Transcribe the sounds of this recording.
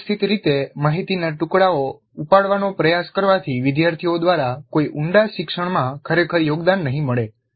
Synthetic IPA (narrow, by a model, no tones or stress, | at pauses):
st̪ʰit̪ɾit̪emaɦit̪inaʈukɽao | upaɽʋanopɾəjaskəɾʋat̪ʰiʋɪd̪jaɾt̪ʰiod̪ʋaɾakoiʔuɳɖaʃɪkʂəɽmãkʰəɾekʰəɾjoɡd̪anːəɦĩməɭe